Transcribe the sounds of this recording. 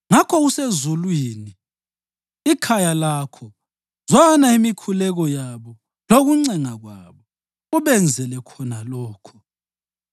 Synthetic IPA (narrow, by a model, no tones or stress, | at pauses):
ŋakʰɔɣusezulwiːni | ikʰajalakʰɔ | zɔanaimikʰulɛɣɔjaβɔ | loɣuŋ͡ǀɛŋaɣwaβɔ | uβɛnd͡zʱɛlɛkʰɔnalɔːkʰɔ̥